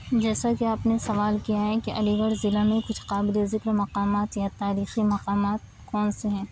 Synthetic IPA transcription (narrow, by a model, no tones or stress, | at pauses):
d͡ʒɛːsakeaːpnesɐʋaːlkijaɦɛ̃keʔɐliɡəɾzɪlãmẽkʊt͡ʃʰqaːbɪlezɪkɾmɐqaːmaːt̪jat̪aːɾiːximɐqaːmaːt̪̚ | kɔːnseɦɛ̃ː